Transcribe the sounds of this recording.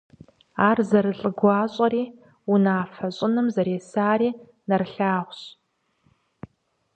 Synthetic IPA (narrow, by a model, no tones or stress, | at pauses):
aːrzɐɾɨɬʼɨɡʷɑːɕʼɐɾiː | unaːfɐɕʼɪnɨmzɐɾeːsaːɾiː | nɐrɬaːʁʷɕ